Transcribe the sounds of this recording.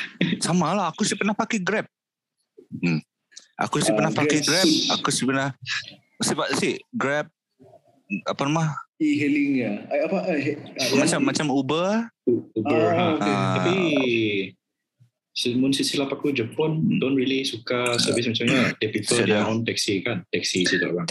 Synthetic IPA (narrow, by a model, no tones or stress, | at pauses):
samalahakusipərnahpakɛɡɾɛp̚ | ʔa̰kusipərnapakɛɡɾɛp̚akusipərnah | sipasihɡɾɛp̚ | apanamaiɦɛliŋaapa | mat͡ʃamːat͡ʃamubəuubəãapi | simunsisilapakud͡ʒəpɔndɔnɹilisukasəvɪsmat͡ʃamɲat̪ɛpipəldɛɔ̃nt̪ɛksikant̪ɛksisit̪ɔ̰ʔkaŋ